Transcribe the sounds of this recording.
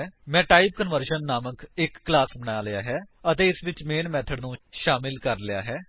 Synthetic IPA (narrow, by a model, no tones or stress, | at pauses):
mɛ̃ːʈaːip̚kənʋəɾʃənːaːməkɪkːlaːsbəɳ̃aːlɪjaːɦɛːət̪eːɪsʋɪt͡ʃmeːnmɛːt̪ʰəɖnũːʃaːmɪlkəɾlɪja̰ːɦɛː